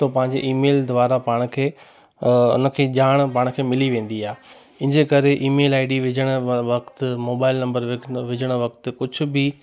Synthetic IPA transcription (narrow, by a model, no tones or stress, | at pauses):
t̪opɐ̃ɦɪ̃ɲ̆d͡ʑeʔiːmeːld̪ʊʋaːɾapaːɽ̃̆kʰeː | ʊ̰nə̆kʰeːʄaːɽ̃paːɽ̃kʰeːmɪliʋẽːn̆d̪iaːe | ɪ̃ɦɪ̃d͡ʑekɐɾeʔiːmeːlaːɪɖiʋɪd͡ʑʱəɽ̃ʋɐkt̪moːbaːɪlnɐ̃mbəɾʋɪʋɪd͡ʑʱəɽ̃ʋɐkt̪kʊd͡ʑʱʊ̆bɪ